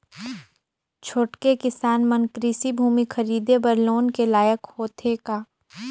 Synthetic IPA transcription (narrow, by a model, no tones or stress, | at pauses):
t͡ʃʰoːʈkekɪsaːnmə̃nkɾiːsibʱuːmixʰɐɾiːd̪ebɐɾloːnkelaːjəkhoːt̪ʰekaː